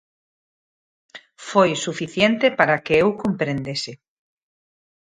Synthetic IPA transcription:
fojsufiθjent̪epaɾakeewkompɾend̪esɪ

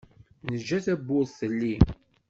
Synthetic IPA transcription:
nəʒːæθæbːʊɾθəlːi

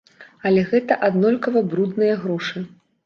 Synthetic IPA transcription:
ɐlʲɛɣɛt̪ɐʔad̪nɔlʲkɐvɐbɾud̪nɨjɐɣɾɔʂɨ

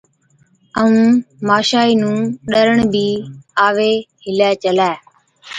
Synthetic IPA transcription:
əũːmaːʃaːiːnũːɗəɾəɳbʱiːaːʋeːɦɪlɛːt͡ʃəlɛː

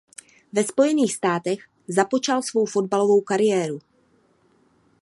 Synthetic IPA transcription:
vɛspo̞jɛniːxst̪aːt̪ɛx | zapo̞t͡ʃalsvo̞wfo̞d̚balo̞vo̞wkaɾɪjɛːɾu

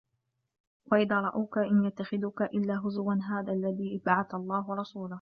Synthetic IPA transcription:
waʔɪðaːɾˤɑʔawkaʔɪnjat̪ːaxɪðʊkaʔɪlːaːɦʊzwanɦaːðaːlːaðiːʔɪbaʕaθalˤːɑːɦʊɾˤɑsuːlʊ

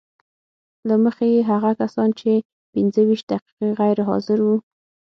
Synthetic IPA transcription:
laməxejeɦaɣakasɑnt͡ʃe | pɪnzəwiʃt̪̚d̪aqi̥qeɣajɾɦɑ̰zɪɾwu

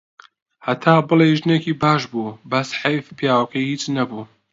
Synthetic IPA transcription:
hɐt̪ʰaːbɨlejʒɨneːkiːbaːʃbuːbɐsħejfpʰjaːwqihiːt͡ʃnɐbuː

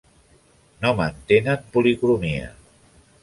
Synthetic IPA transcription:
nomant̪enat̪̚pulikulumiə̰

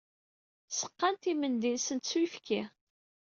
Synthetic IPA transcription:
sə̥qːant̪imənd̪insənt̪swifkʰi

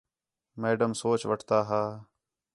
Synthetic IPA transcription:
meːɖəmsoːt͡ʃʋəʈʰt̪aːɦaː

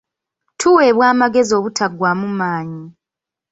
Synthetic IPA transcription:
tʰuwe̞ːβwaːmaɡe̞zio̞ːβutʰaɡːwaːmumaːɲi

